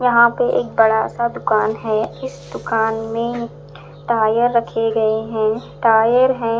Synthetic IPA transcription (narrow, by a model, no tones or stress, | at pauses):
jɐɦãpeʔeːk̚bɐɽasad̪ʊkaːnɦɛːɪsd̪ʊkaːnmẽ | ʈaːjəɾːɐkʰeɡɐeɦɛ̃ːʈaːjəɾɦɛ̃